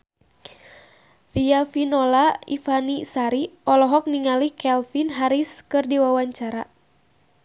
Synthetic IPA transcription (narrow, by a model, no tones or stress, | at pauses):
riafinɔlaḭfanisaɾiɔlɔɦɔk̚niŋalikɛlfinɦaɾiskɨrdiwawaɲt͡ʃaɾa